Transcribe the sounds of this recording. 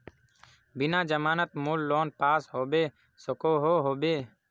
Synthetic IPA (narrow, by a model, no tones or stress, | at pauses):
bɪnãːd͡ʒəmaːnət̪̚muːlːoːnpaːsɦoːbeː | səkoːɦoːɦoːbeː